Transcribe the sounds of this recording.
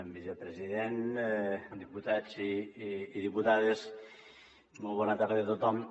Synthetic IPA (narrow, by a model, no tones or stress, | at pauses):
mbizepɾeziðen | d̪iput̪ad͡ziː | ðiput̪aðes | mɔlˠβɔnat̪aɾðəðet̪ot̪ɔm